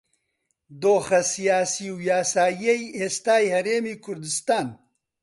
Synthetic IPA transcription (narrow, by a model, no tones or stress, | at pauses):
d̪oːxɐsijaːsiːwjaːsaːjejeːst̪aːjhɐɾeːmiːkʰʊɾd̪ɨst̪aːn